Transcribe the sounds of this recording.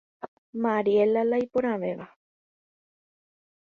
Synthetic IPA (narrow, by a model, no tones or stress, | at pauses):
maɾielalaijpuɾ̃ãʋeʋa